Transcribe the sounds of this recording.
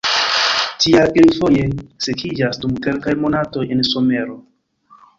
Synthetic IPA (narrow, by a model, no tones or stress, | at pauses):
tiaʔilfo̞je̞sekʰid͡ʒasdumke̞lkajmo̞nato̞jenso̞me̞ɾo̞